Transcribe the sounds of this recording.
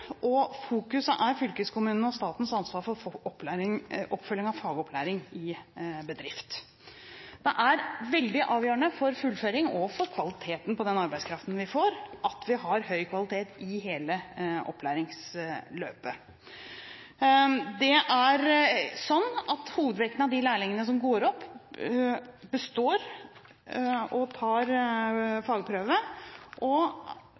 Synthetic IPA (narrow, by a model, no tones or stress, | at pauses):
ɔfuːkʉsəʔæɾfʏlkəskʰʊmʉːnn̩ɔst̪ɑːt̪n̩sɑnsʋɑːɾfɔɾɔpːlæɾɪŋʔɔpːfœljɪŋɑʋfɑːɡɔpʰlæːɾɪŋɪbəd̪ɾɪft̪ | d̪̥ɛʔæɾʋɛld̪ɪʔɑːʋjøːəɳəfɔɾfʉlføːɾɪŋɔfɔɾkʰʋɑlɪt̪ʰeːt̪n̩pʰɔd̪ɛnɑɾbæɪskʰɾɑft̪n̩ʋɪfoːɾʔɑt̪ʰʋɪɦɑɾhœʏkʰʋɑlɪt̪ʰeːt̪ɪɦeːləʔɔ̰pːlæːɾɪŋsløːpə | d̪ɛʔæɾsɔnːɑt̪huːʋəd̪ʋɛkənɑʋd̪ɪlæːɭɪŋənəs̬ɔmɡoːɾɔpː | bəst̪oːɾ | ɔt̪ʰɑːɾ | fɑːɡpʰɾøːʋəʔɔ